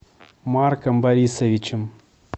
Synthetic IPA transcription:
markɐmbɐɾʲisɐʋʲit͡ɕɪm

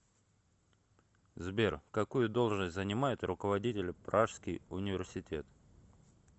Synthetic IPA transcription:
zbʲerkɐkujʊd̪o̞lˠʐnəsʲtʲzənʲɪmajʊt̪rʊkəvɐdʲitʲɪlʲɪpɾaʂskʲɪjʊnʲɪvʲɪrsʲɪtʲe̞t̪

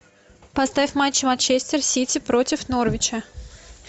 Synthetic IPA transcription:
pɐst̪avʲɪfmat͡ɕːɪmant͡ɕesʲt̪ʲɪrsʲitʲɪpɾotʲɪfnorvʲɪt͡ɕə

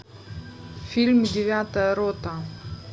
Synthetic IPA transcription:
fʲilʲmdʲɪvʲat̪əjəɾot̪ə

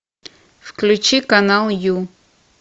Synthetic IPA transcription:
fklʲʊt͡ɕikɐnalˠju

